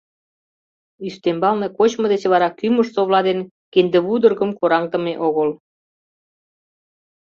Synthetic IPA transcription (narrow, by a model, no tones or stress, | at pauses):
yst̪embɑlnekot͡ɕmŏd̪et͡ɕβɑɾɑkyməʃsoβlɑd̪en | kend̪eβud̪ə̆rɣə̆mkoɾɑŋt̪ə̆meʔoɣəl